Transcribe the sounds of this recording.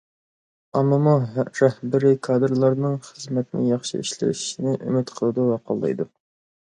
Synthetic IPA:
ɑmːɨmuɾɛhbɪɾɪkʰɑːd̪ɨɾlˠɑɾnɨŋχəzmɛt̪nɪ̰jɑχʃḭiʃlɪ̰ʃi̥ʃinɪʔy̰mɪt̪qʰəlˠɨd̪ɨwɑqʰo̰lˠːɑ̰jd̪u

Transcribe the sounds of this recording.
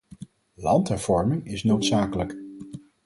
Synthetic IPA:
lɑntɦɛɹv̥ɔɹmɪŋɪsnowtsaːkələk

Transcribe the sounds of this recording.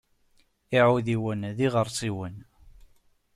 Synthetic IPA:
iʕuðiwənðiʁəɾˤsˤiwən

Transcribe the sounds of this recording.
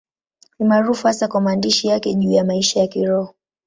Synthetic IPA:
nimaɾufuhasakwamaːndiʃijakɛʄuːjamaiʃajakiɾɔhɔ

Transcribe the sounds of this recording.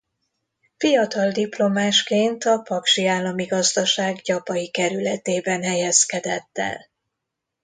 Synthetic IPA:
fijɒt̪ɒld̪iplo̞maːʃkeːnt̪ɒpɒkʃiaːlːɒmiɡɒzd̪ɒʃaːɡɟɒpɒjikɛɾylɛt̪eːbɛnɦɛjɛskɛd̪ɛt̪ːɛ̰l

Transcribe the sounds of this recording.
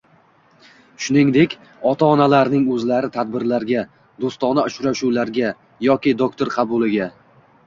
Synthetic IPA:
ʃʊnɪŋd̪e̞kʲ | ɒt̪ʰaɒnalaɾnɪŋɵzlaɾɪt̪ʰad̪̚bɪɾlaɾɡʲa | d̪ost̪ɒnaʊʃɾaʃuwlaɾɡʲa | jɒkʲɪd̪okt̪ʰoɾqʰɑbʊlɪɡʲa

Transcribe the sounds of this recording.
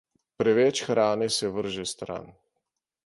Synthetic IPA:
pɾɛʋɛt͡ʃxɾaːnɛsɛʋəɾʒɛst̪ɾa̰n

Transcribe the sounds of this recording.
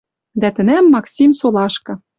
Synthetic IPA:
d̪æt̪ɘ̆næmːɑksʲimsolɑʃkɤ̆

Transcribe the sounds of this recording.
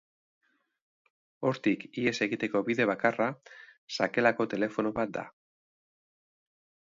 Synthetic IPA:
o̞ɾt̪ikie̞se̞ɣit̪e̞ko̞βiðe̞β̞akarasake̞lako̞t̪e̞le̞fo̞noβat̪̚d̪a̰

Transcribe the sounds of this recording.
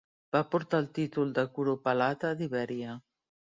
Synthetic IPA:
b̥apoɾt̪alt̪it̪ulˠd̪akuɾopalat̪ad̪iβɛɾja

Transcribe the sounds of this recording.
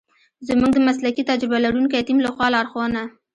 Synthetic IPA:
zəmuɡ̚d̪əmaslakit̪ad͡ʒɾɪbalaɾunkajat̪imlaxwɑlɑːɾxwɑna

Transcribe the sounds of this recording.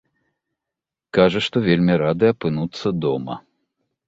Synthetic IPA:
kaʐɐʂt̪ɔvʲelʲmʲiɾad̪ɨɐpɨnut̪sːɐd̪ɔmɐ̰

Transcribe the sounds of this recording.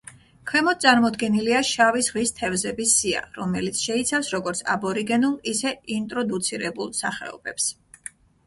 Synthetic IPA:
kʰwɛmɔt̪̚sʼaɾmɔd̪ɡɛniliaʃavisʁist̪ʰɛvzɛbisːia̰ɾɔmɛlit̪sʰʃɛit̪sʰafsɾɔɡɔɾt̪sʰa̰bɔɾiɡɛnulˠisɛint̪ʼɾɔd̪ut̪sʰiɾɛbulˠsaχɛ̰ɔ̰bɛps

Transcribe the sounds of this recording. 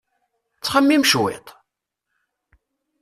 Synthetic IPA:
t͡sːχəmːimʃwḛt̪ˤ

